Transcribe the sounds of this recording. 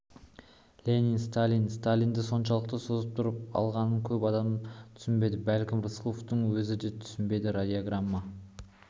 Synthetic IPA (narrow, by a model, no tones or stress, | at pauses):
lʲeninst̪alʲinst̪alʲind̪ɪso̞nʃɑlˠəq̚t̪əso̞zəp̚t̪ʰʊɾəp̚ɑ̰lˠʁɑnəŋkʲʰɵpɑd̪ɑmt̪ʰʏ̥sɪnbe̞jd̪ɪbælkʲɪmruslˠoft̪əɴwɵzɪd̪e̞t̪ʰʏ̥sɪnbe̞jd̪ɪɾad̪ʲioɡramːɑ